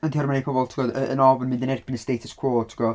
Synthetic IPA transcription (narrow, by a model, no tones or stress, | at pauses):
əntʰiɔɾrmanepʰɔbɔlˠtʰiəɡɔdəə̰nɔvənmɪ̃ndənɛrb̥ɪnəsd̥ejtʰəskʰwoːtʰi̥ɡɔ